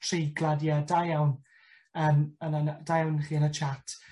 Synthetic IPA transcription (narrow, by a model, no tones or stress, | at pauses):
tʰrejɡlˠadjadajawn | əmənənd̥ajawnχiːənət͡ʃʰatʰ